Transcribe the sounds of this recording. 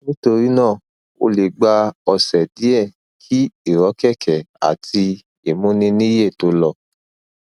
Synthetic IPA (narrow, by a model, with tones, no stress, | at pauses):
nĩ˦to˧ɾi˦nãː˦˨ | o̰˧le˨ɡ͡ba˧ɔ˧sɛ˨di˨˦ɛ˦˨ | kʰi˦i˦˨ɾɔ˨˦kɛ˦˨kʰɛ˨a̰˨tʰi˧ | i˨mũ˦nĩ˦nĩ˦je˦˨to˧˦lɔ˧˨